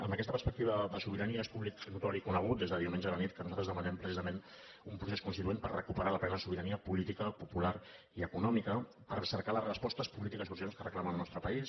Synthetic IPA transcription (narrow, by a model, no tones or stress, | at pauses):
ə̰mbəkɛst̪əpəɾspəkt̪iβəðəsuβiɾəniəspuβliksɾikut̪ɔɾikunəɣ̞ut̪̚d̪ezðəðiumend͡ʒəðələnit̪̚kənuzalt̪ɾəzðəmənɛmpɾəsizəmen | umpɾuseskunst̪it̪uempərrəkupəɾaləpɾɛnəðəsuβiɾəniəpulit̪ikəpupulaɾ | iəkunɔmikə | pəɾsəɾkalərəspɔst̪əspulit̪ikəsusionskərəklaməəlnɔst̪ɾəpəis